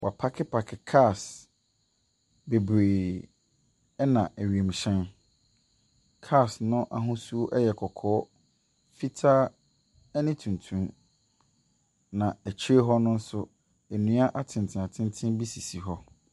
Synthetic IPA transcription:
wʔa˨pʰa˦kʰɪ˦pʰa˨kʰɪ˨kʰa˦˨s | be˨bɾeː˨ | ɛ˦nã˨ʔæ˨ɥi˨e˨m˨ɕɛ̃˦n | kʰa˦˨snʊ̃˦ʔa˨ɦʊ̃˦su˦o˦ʔɛ˦jɛ˨kʰɔ˨kʰɔː˦ | fi˦tʰaː˦ | ɛ˦nɪ̃˦tʰũ˨n˨tʰũ˦m | nã˨æ˨t͡ɕʰɾe˦ɦɔ˦nʊ̃˦n̩˦sʊ˦ | ɛ˨nũ˦a˦ʔa˦˨tʰɪ̃˨ntʰɪ̃˨a˨tʰɪ̃˦n˦tʰɪ̃˦n˦bi˦si˨si˨ɦɔ˦

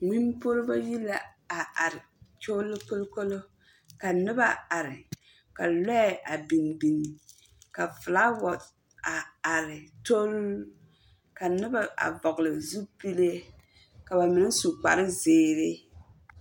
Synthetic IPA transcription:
ŋi˦mpo˦ɾɪ˦ba˦ji˦la˨ | a˨a˨ɾɪ˨t͡ʃo˦lːɪ˦ko˦lko˦lo˦ | ka˨nɪ˦ba˦a˨ɾɪ˨ | ka˨lɛ˦˨ʔa˨bi˨nbi˨ni˨ | ka˨fɨ˨la˦wɔ˨t | a˨a˨ɾɪ˨to˦l | ka˨nɪ˦ba˨a̰˨vɔ˨ɡlɪ˨zu˦pi˦le˦ | ka˨ba˨mɪ˨nɪ˦su˨k͡pa̰˨ɾɪ˦zeː˦ɾɪ˦

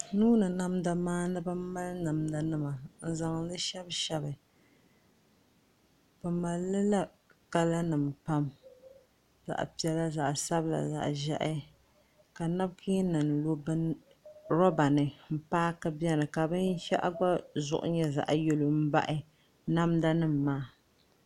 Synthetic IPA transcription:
nuː˦nɨ˨na˦mda˨maː˦nɨ˦ba˦m˦ma˦lna˨mda˨nɨ˦ma˨n̩˨za˨ŋ˨lɨ˦ʃɛ˦bʃɛ˦bɨ˨ | pɨ˨ma˨lːɨ˦la˦ | ka˦la˦nɨ˨mpa˦m | za̰˨ʔpi˨ɛ˨la˦za˨ʔsa˦bla̰˨za̰˨ʔʒɛ˦ʔɪ˦ | ka˨na˦bkʰi˦nɨ˨n˨lo˦bn | ɾo˦ba˨nɨ˨m̩˦paː˦kɨ˦bjɛ˦nɨ˨ka˨bɨ˦n˦ʃɛ̰˦ʔa̰˦ɡ͡ba˦zʊ̰˦ʔʊ̰˦ɲɛ˦za̰˨ʔjo˨lo˨m̩˦ba̰˦ʔɪ˦ | na˦mda˦nɨ˦mː˨aː˦

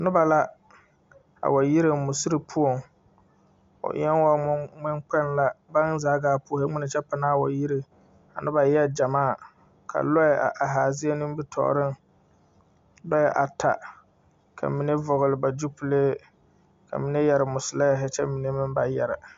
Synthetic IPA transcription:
nʊ˦ba˨la˦ | a̰˨wa˨ji˦ɾe˨mʊ˨si˦ɾi˨pʰu˦o˨ŋ | ʊ̰˨ʔɪ̰˦ɛ˦n˦wa˦ŋ͡mɪ˦ŋk͡pɛ˦nla˦ba˦nzaː˨˦ɡaː˨˦pʊ˦˨he˦ŋ͡mɪ˦nɪ˨t͡ʃɛ˦pa˨naː˦˨wa˨ji˦ɾe˨ | a˨nʊ˦ba˨jɛ˦d͡ʒa˨maː˦˨ | kʰa̰˨lɔ˦jɛ˨ʔa̰˨ʔa˨ɦaː˨zɪ˦e˦nɪ̃˦m˦bɪ˦tʰɔ̰˨ɾɪ˦˨ŋ | lɔ˦ɛ˨ʔa˨tʰa̰˨ | kʰa̰˨mi˨ne˦vɔ˨ɣʊ˨lɪ˨ba˨d͡ʒu˦pu˦leː˦ | kʰa̰˨mi˨ne˦jɛ˨ɾɪ˨mʊ˨sɪ˨la˦ja˨ɦɛ˦t͡ʃɛ˦mi˨ne˦mɪ˦mba˨jɛ˨ɾɪ˨

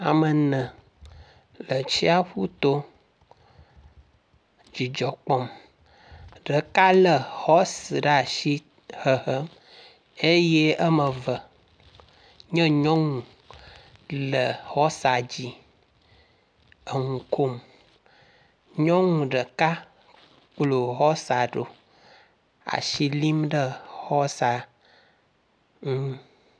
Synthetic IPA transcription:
a˨mə˨nə̃˨ | lə˨t͡ɕi˦a˦ɸu˦t̪o˦ | d͡ʑi˨d͡ʒɔ˨k͡pɔ˦m | ɖə˨ka˦lə˨hɔ˦si˨ɖa˦˨ʃi˦ | hə˨ɦə˦m | e˦je˦ə˦mə̃˨və˨ | ɲə̃˦ɲɔ̃˦ŋũ˨ | lə˨xɔ˦sa˨d͡ʑi˦ | ə˨ŋu˨ko˦m | ɲɔ̃˦ŋũ˨ɖə˨ka˦ | k͡plo˨ɣɔ˦sa˨ɖo̰˨ | a̰˨ʃi˦li˦mɖə˦hɔ˦sa˨ | ŋ̩˦

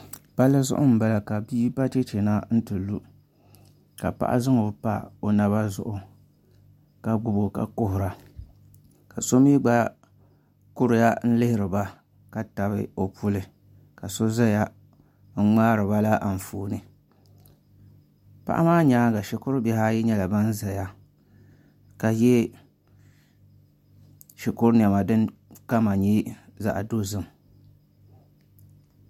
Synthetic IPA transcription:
pa˦lːɨ˦zʊ̰˦ʔʊ˦m̩˨ba˨la˨ka˨biː˦pa˦t͡ʃe˦t͡ʃe˨na˦n̩˦tɨ˨lu˦ | ka˨pa̰˨ʔa̰˦zɨ˦ŋo˨˦pa̰˦o˨na˨βa˦zʊ̰˦ʔʊ˨ | ka˨ɡ͡bʊ˨bo˨ka̰˨kʊ˦ɦʊ˨ɾa˨ | ka˨so˦miː˦ɡ͡ba˦ | kʊ˦ɾʊ˨ja˦n̩˦lɪ˦hɪ˨ɾɨ˨ba˦ | ka˨ta˨βɪ̰˦o˨pu˦lɨ˨ | ka˨so˦za˦ja˦ | ŋ̩˦ŋ͡maː˦ɾɨ˨ba˦la˦ʔa˨n˨fuː˨nɨ˨ | pa̰˦ʔa̰˦maː˦ɲaː˦ɡa˨ʃɪ˨kʊ˦ɾbɛ˨ha˦ji˦ɲɛ˦la˨ba˦n̩˦za˨ja˦ | ka˨jɛ˦ | ʃi˨kʊ˦ɾn˨ɛ˨ma˨dɨ˦nka˦ma˨ɲi˦za̰˨ʔa̰˨do˦zɨ˦m

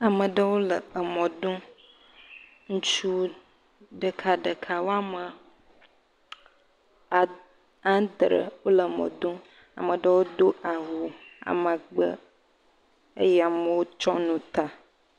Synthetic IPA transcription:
a˨mə̃˨ɖə˦wo˦lə˨ə˨mɔ̃˨d̪õ˦ | ŋũ˦t͡ʃu˦ | ɖə˨kʰa˨ɖə˨kʰa˨wo˦a˦mə˨ | a˨ | ã˦d̪ɾə̰˨wo˦lə˨mɔ̰̃˨d̪o˦ | a̰˨mə̃˨ɖə˦wo˦d̪o˦a˨ɦu˨a̰˨ma˨ɡ͡bə̰˦ | ə̰˦jɛ˦a˨mə˨wo˦t͡ʃɔ˦nũ˨t̪a˨

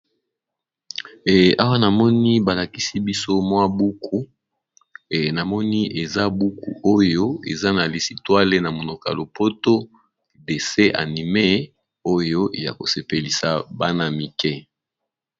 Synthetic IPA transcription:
a˦wa˦na˨mɔ˦ni˦ba˨la˨ki˦si˦bi˦so˦mwa˦bu˦kʰu˦˨ | na˨mɔ˦ni˦ʔe˨za˦bu˦kṵ˨ʔo˦jo˦ḛ˨za˦na˨li˨si˨twa˦le˦na˨mo˨no˨ka̰˨lo˨po˦to˦ | de˨se˦ʔa̰˨ni˨me˦ | o˦jo˦ʔe˨ja̰˨ko˨se˨pe˨li˨sa˨ba˦na˦mi˨kɛ˦

